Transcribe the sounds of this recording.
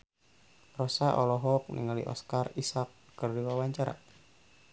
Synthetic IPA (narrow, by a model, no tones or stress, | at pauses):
rɔsaʔɔlɔɦɔk̚nḭŋalḭʔɔ̰skarisakːɨrdiwawaɲt͡ʃaɾa̰